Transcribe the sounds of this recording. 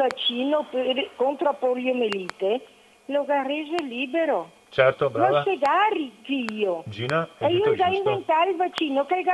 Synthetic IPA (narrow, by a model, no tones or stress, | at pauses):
vat͡ʃːiːnopeɾkont̪ɾoapoɾljomeliːt̪e | loɣarezeliːbeɾo | t͡ʃɛɾt̪obɾaavseɣarikiiod͡ʒiːnaɛiod̪aiɱvent̪aɾilvat͡ʃːiːnokelɡa